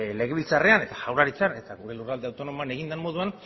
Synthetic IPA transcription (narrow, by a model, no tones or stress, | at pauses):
le̞ɣ̞e̞βilt͡sare̞ane̞t̪aʝawraɾit͡sane̞t̪aɣuɾe̞lurald̪eawt̪o̞no̞moane̞ɣind̪emmo̞ðuan